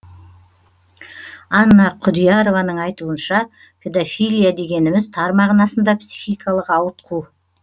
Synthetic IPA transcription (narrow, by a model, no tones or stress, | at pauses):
ɑnːɑqʰʊd̪ijɑɾo̞vɑnəɴɑjt̪uənʃɑ | pʲʰe̞d̪ofʲijlʲijad̪e̞ɡʲe̞nɪmɪzt̪ʰɑɾmɑʁənɑsənd̪ɑpsʲixijkʰɑlˠəqɑwət̪̚qʰu